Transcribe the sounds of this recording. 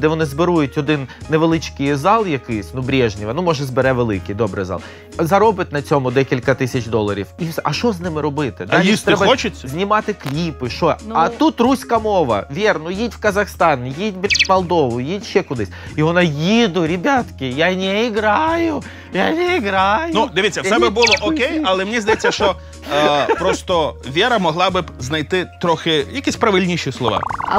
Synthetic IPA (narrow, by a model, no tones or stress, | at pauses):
d̪ɛʋɔnɪzbɪɾujʊtʲɔd̪ɪnːeʋelˠɪt͡ʃkɪjzɑlˠjɐkɪjsʲnubɾʲɛʒnʲɪʋɐnumɔʒɛzbeɾɛʋelˠɪkɪjd̪ɔbɾɨ̰jzɑ̰lˠ | zɐɾɔbɪt̪ʲnɐt͡sʲɔmʊd̪ɛkʲilʲkɐt̪ɪsʲɐt͡ʃd̪ɔlˠɐɾʲḭwisɛʔɐʃɔznɪmɪɾɔbɪt̪ɪd̪alʲist̪ɾɛbɐɔt͡ʃɪt͡sʲzʲnʲimɑt̪ɪklʲipɪʃɔɐt̪ut̪rusʲkɐmɔʋɐ̰ʋʲɛrnʊjitʲwkɐzɐxst̪ɑnjitʲbʲmɐlˠd̪ɔʋʊjitʲʃːɛkʊd̪ɪsʲiʋɔnajid̪ʊɾʲɪbʲat̪kʲɪjanʲɛiɡɾɑjʊ | janʲɛiɡɾɑjʊnud̪ɪʋʲit͡sʲːɐwsɛbɪbulˠɔʔɔkkʲejɐlˠɛmnʲizd̪ɐjɛt͡sʲːɐʃt͡ʃɔ | pɾɔst̪ɔʋʲɛɾɐmɔɦlˠɑbɪbznɐjt̪ɪt̪ɾɔxɪjɐkʲisʲpɾɐʋɪlʲnʲiʃislˠɔʋɑ̰